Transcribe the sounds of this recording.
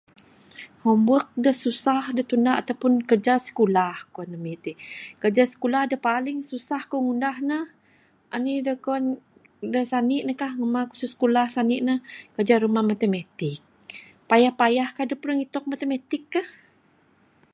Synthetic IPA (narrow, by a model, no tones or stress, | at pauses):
hɔmbək̚dəhsusahdəht̪undaʔat̪awpʊnkərd͡ʒasə̥kulahkuanəmit̪ikərd͡ʒasə̥kulahdəhpalɪŋsusahkɔŋundahnəh | ʔa̰nidəkɔn | dəsanɪʔnəkahŋəmaku̥suskulahsanɪʔnəhkəd͡ʒaɾumahmat̪əmat̪ɪk̚ | pajahpajahkahdəpuɾəŋit̪ɔk̚mat̪əmat̪ɪkːah